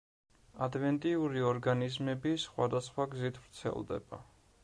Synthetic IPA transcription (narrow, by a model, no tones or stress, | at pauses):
ad̪vɛnt̪ʼiuɾiɔɾɡanizmɛbisχwa̰d̪asχwaɡzit̪ʰvɾt̪sʰɛ̰lˠd̪ɛ̰ba̰